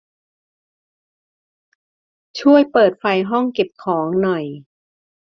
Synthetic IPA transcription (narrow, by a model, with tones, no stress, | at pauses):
t͡ɕʰu˥˩əjpɤː˨˩t̪̚fa˧jɦɔ˥˩ŋke˨˩p̚kʰɔː˩˦ŋnɔ˨˩j